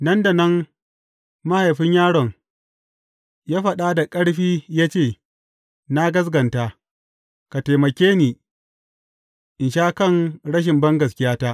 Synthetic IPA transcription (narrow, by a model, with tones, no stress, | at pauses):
nɐ˦nda˨nɐ˦ŋ | ma˦ha˨jɸɪ˦ɲjaː˦ɽɔ˨ŋ | jaː˦ɸɐ˨ɗa˦da˨kʼɐ˦ɽɸiː˦jaː˦t͡ʃeː˦˨ | na˦ɡɐ˦s̬ɡɐ˨ntaː˦ | ka˨ta˨jmɐ˨kʲeː˦niː˨ | ʔɪ˨nʃaː˦kɐ˦˨ŋɽɐ˦ʃ̬ɪ˨mbɐ˦ŋɡɐ˨skʲɪ˦jaː˦taː˦ʔ